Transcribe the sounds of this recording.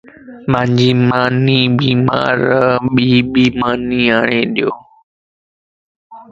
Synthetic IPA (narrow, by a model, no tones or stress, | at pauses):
mãːɲd͡ʑiːmaːniːbiːma̰ːɾəɓiːɓiːmaːniːaːɳeːɗɪjoː